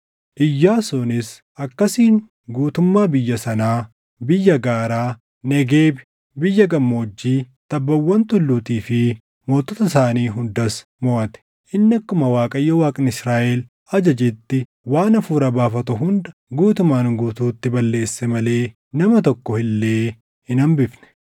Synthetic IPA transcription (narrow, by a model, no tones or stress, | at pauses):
ʔɪjːaːsunɪs | ʔɐkːɐsiːŋ | ɡuːt̪ʊmːaːbɪjːɐsɐnaː | bɪjːɐɡaːɾaː | nɛɡeːbɪ̥ | bɪjːɐɡɐmːoːd͡ʒːiːt̪ɐbːɐwːɐnt̪ʊlːuːt̪iːfɪ | moːt̪ːɔt̪ɐs̬aːniːɦʊnd̪ɐs | mɔʔɐt̪ɛ̥ | ʔɪnːɐkːʊmɐwaːkʼɐjːɐwaːkʼɪnɪsɾaːʔɛl | ɐd͡ʒɐd͡ʒɪt̪ːɪ | waːnɐfuːɾɐbaːfɐt̪ʊɦʊnd̪ɐɡuːt̪ʊmaːnɡuːt̪uːt̪ːɪbɐlːe̞ːsːɛmɐle̞ː | nɐmɐt̪ɔkːɔhɪlːeː | hɪnɐmbɪfnɛ̥